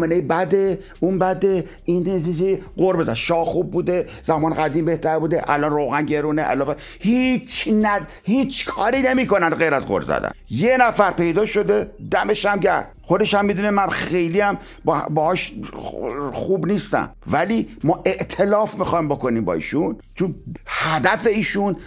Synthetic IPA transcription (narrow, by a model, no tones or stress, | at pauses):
menejebæd̪e | unbæd̪e | ind̪t̪id͡ʒejeɢoɾbezæd̪ʃɒːhxuːb̚ːuːd̪e̞ | z̥æmɒːnɣæd̪iːmbe̞ht̪æɾbuːd̪eʔæ̰lɒːnrowɣænɟe̞ɾuːneʔæ̰lɒːfe | hit͡ʃʰnæ | hiːt͡ʃʰkʰɒːɾiːne̞miːko̞nænd̪ɢejɾæzɢo̰ɾzæ̰d̪æ̰njenæfæɾpe̞jd̪ɒːʃo̞d̪ed̪æme̞ʃæmɟæ̰ɾd̪̥xod̪e̞ʃæmːid̪uːnemænxe̞jliːæm | bbɒhɒːʃ | xuːbniːst̪æ̰mvæliːmɒːʔe̞ʔt̪ʰe̞lɒːfmixɒjmboko̞niːmbɒ̰ːḭːʃun | t͡ʃʰonhæd̪æfe̞iːʃun